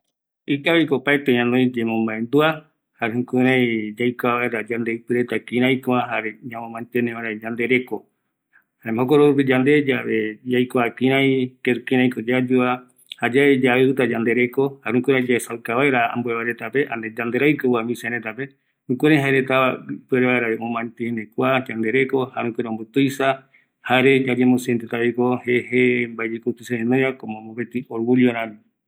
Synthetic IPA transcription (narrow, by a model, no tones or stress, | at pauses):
ikaβikopaet̪eɲãnõj̃d͡ʒemõmbaend̪ua | haɾehũkuɾãjd͡ʒajkoaβaeɾad͡ʒand̪eɨpɨɾet̪akĩɾ̃ãjkõaɦaɾeɲãmõmãnt̪enẽʋaɾed͡ʒand̪e̞ɾe̞ko | haemokoɾoɾup̬id͡ʒand̪e̞d͡ʒaβed͡ʒajkoakĩɾãj̃keɾukĩɾ̃ãĩkod͡ʒad͡ʒua | had͡ʒaed͡ʒaet̪ad͡ʒand̪e̞ɾeko̞haɾũkʷeɾad͡ʒaesawkaβaeɾaa̰mbueβaɾet̪ape̞ʔaned͡ʒand̪eɾajkɨamĩseɾẽt̪ape | ũkʷeɾeɦaeɾet̪aβapueɾeβaeɾaeõmãnt̪ienekʷad͡ʒand̪e̞ɾeko̞haɾũkʷeɾombɨt̪ujsa | haɾe̞d͡ʒad͡ʒemõseent̪et̪aβikoheɦembaed͡ʒekut̪useenojɾakomõmopet̪ioɾɡulioɾãmi